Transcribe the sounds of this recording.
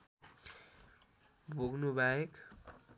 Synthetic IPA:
bʱoɡnubʱaek

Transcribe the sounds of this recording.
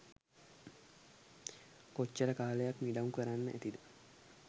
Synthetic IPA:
kɔt͡ʃːɛɾɐkaːleːɐkmid̪ɐŋkʊɛɾɐnːɐɛt̪ɪd̪ɐ̥

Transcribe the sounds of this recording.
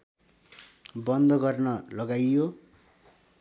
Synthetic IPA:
bʌnd̪ʌɡʌrnʌlʌɡajːo

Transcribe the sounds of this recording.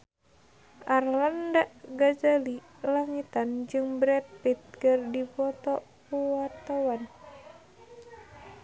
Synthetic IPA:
ʔarlandaʔɡazali | laŋit̪and͡ʒɨŋbɾɛpit̪̚kərdipɔt̪ɔpuat̪awan

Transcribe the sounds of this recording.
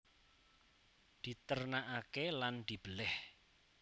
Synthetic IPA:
d̪̥i̤t̪ərnaʔakeland̪̥i̤b̥əlɪh

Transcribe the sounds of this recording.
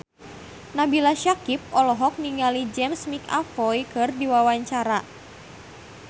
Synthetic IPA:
nabilaʃakip̚ʔɔlɔɦɔk̚niŋalid͡ʒɛmsmika̰fɔjkɨrdiwawaɲt͡ʃaɾa

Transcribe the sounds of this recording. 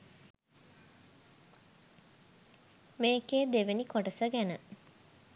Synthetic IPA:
meːkeːd̪eʋenikoʈəsəɡænə

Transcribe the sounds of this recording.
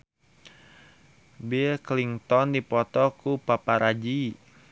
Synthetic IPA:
bikliŋt̪ɔndipɔt̪ɔkupapaɾad͡ʒi

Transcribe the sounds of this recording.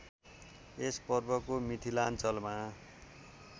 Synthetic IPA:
espʌrbʌkomit̪ʰilant͡sʌlma

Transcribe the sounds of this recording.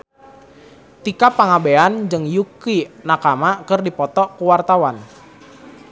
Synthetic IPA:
t̪ikapaŋabeand͡ʒɨŋjukinakamakɨrdipɔt̪ɔkuwart̪awan

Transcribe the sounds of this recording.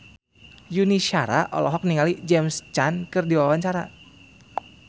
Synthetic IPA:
juniʃaɾa̰ʔɔ̰lɔɦɔk̚niŋalid͡ʒɛmst͡ʃankɨrdiwawaɲt͡ʃaɾa

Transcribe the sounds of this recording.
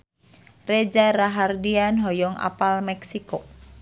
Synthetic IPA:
red͡ʒaɾaɦardianɦɔjɔŋʔa̰palmɛksiko

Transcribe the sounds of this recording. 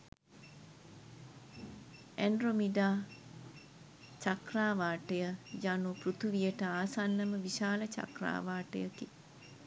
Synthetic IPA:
ɛɳɖromiɖaː | t͡ʃakraːʋaːʈəjəjanuprut̪uʋijəʈəaːsanːəməʋiʃaːlət͡ʃa̰kra̰ːʋaːʈə̰jəki

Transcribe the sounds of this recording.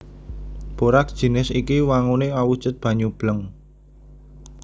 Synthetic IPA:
b̥oɾak̚d̥ʒ̥i̤nɪsikiwaŋuneawud̥ʒ̥ət̪̚b̥a̤ɲub̥ləŋ

